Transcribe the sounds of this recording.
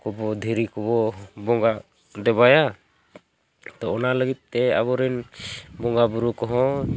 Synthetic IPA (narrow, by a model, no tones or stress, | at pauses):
kɔbɔd̪ʱiɾikɔbɔbɔŋɡa | dɛbaja | t̪ɔɔnaləɡit̪̚ˀːɛa̰bɔɾɛnbɔŋɡabuɾukɔɦɔ̃